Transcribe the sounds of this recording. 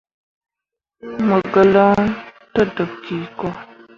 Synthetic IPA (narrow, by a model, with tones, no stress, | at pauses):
mə˨ɡə˨lə˦tə˦də˨p̚ki˨kɔ˦